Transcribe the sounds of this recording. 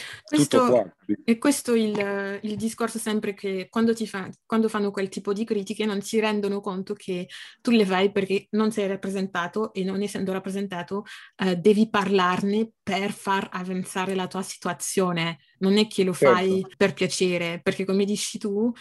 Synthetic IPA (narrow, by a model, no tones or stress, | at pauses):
kwesst̪oɛkːwest̪oilild̪iskorsosɛmpɾekʰekwand̪ot̪ifakwand̪ofanːokwelt̪iːpod̪ikɾiːt̪ikenont̪iɾɛnd̪onokont̪okʰet̪ːulevajperk̟enonsɛjrapːɾezent̪aːt̪oʔenːonɛsːɛnd̪oɾapːɾezent̪aːt̪od̪ɛːviparlarneperfaravant̪saːɾelat̪uːasi̥t̪uat̪sjoːne | nonɛkʰːelofajperpjat͡ʃeːɾeperk̟ekːomed̪it͡ʃːit̪u